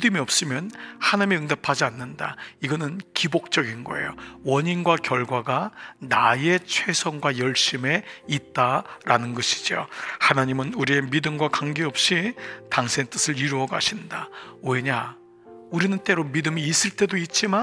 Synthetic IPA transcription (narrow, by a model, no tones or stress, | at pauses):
idɯmiʌp̚s͈ɯmjʌnhanaɲimiɯŋdapʰad͡ʑianːɯnda̰iɡʌnɯnkibok̚t͡ɕ͈ʌɡinɡʌ̰e̞̰jowʌɲinɡwakjʌɭɡwaɡanaje̞t͡ɕʰwe̞sʰʌŋɡwajʌɭɕ͈ime̞it̚t͈aɾanɯnɡʌɕʰi̥d͡ʑio̰hanaɲimɯnuɾie̞midɯmɡwakaŋɡeʌp̚ɕ͈itaŋsʰeŋt͈ɯsʰɯɾiɾuʌɡa̰ɕʰindawe̞ɲa | uɾinɯnt͈e̞ɾomidɯmiːs͈ɯɭt͈e̞doit̚t͡ɕ͈ima